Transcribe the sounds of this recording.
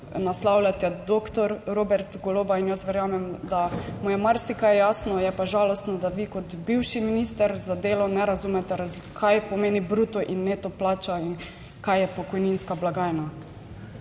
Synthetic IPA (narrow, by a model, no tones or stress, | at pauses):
naslawlʲat̪ɛd̪okt̪ɔɾɾobɛɾt̪ɡoloːbainjast̪ʋɛɾjaːmɛmd̪amujɛmaɾsikajjaːsnɔjɛpaʒaːlɔst̪nɔd̪aʋikɔt̪biwʃiminist̪ɛɾzad̪eːlɔnɛɾazumɛt̪ɛɾaz | kʰajpɔmeːnibɾut̪ɔʔinːeːt̪ɔplaːt͡ʃain | kajjɛpɔkɔjninskablaɡaːjna